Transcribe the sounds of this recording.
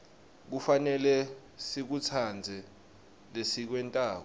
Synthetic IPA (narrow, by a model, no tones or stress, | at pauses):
k̬ufanɛlɛ | sik̬ut͡sʰand͡zʱɛ | lesik̬wɛntʼaːkɔ